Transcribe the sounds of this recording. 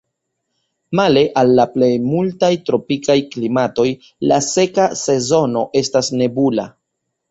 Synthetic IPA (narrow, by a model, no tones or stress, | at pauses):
male̞ʔalːaple̞jmultajtɾo̞pikajklimato̞j | lase̞kase̞zo̞no̞ʔe̞stasne̞bula̰